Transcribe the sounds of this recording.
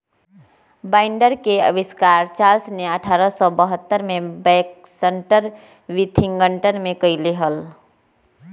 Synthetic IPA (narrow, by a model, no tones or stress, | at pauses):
baɪɳɖəɾkeə̰biskaɾt͡ʃalsneəʈʰaɾəsɔbəɦət̪ːəɾmebɛksəɳʈəɾ | ʋit̪ʰiŋɡəɳʈənmekəjleɦəl